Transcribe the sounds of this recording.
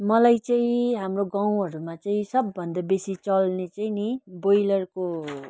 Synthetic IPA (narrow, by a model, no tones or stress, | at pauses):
mʌlajt͡saĩɦamroɡaw̃ɦʌɾumat͡saĩsʌbːʌnd̪abesit͡sʌlnet͡sainibojlʌrko